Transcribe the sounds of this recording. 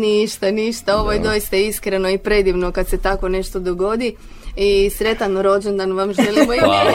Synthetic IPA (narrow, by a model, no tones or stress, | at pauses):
niʃt̪aniʃt̪ao̞ʋojed̪o̞jist̪aiskɾeno̞ipɾe̞d̪iʋnokad̪se̞t̪ako̞ne̞ʃt̪o̞d̪oɡo̞d̪i | isɾe̞t̪anɾo̞d͡ʒend̪anʋamʒelimoi